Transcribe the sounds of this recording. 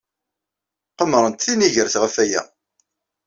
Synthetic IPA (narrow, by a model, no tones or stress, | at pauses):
qəmɾˤənt̪θiniʝəɾθʁəfæjæ̰